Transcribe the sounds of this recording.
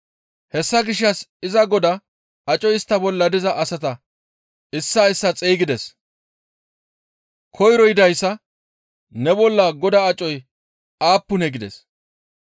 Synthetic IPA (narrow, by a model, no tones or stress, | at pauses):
hɛsːɐɡɪʃ̬ːɐsɪzɐɡɔd̪ɐ | ɐt͡ʃʼɔjɪst̪ːɐbɔlːɐd̪ɪzɐʔɐsɐt̪ɐ | ɪsːɐɪsːɐt͡sʼeːɡɪd̪ɛs | kʰɔjɾɔjɪd̪ɐjsːɐ | nɛbɔlːɐɡɔd̪ɐːt͡ʃʼɔj | aːpːʊnɛɡɪd̪ɛ̰s